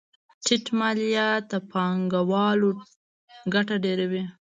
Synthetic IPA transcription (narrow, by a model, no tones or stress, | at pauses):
ʈiʈmaljat̪apɑŋɡawɑlo | ɡaʈaɖeɾawi